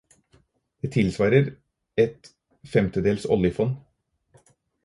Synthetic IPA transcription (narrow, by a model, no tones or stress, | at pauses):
d̪̥eːt̪ʰɪlsʋɑːɾəɾ | ɛt̪ | fɛmt̪əd̪eːlsɔ̰ljəfɔn